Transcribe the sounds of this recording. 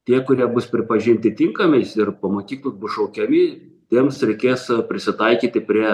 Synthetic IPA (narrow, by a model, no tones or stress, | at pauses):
t̪ʲiɛkʊɾʲiɛbʊspʲɾʲɪpɐʒʲɪnʲt̪ʲɪt̪ʲɪŋkɐmʲɛɪsɪrpɐmoːkʲiːklˠʊsbʊsʃɐʊkʲɛmʲɪ | t̪ʲiɛmsɾʲɛɪkʲeːspʲɾʲɪsʲɪt̪ɐɪkʲiːt̪ʲɪpʲɾʲiɛ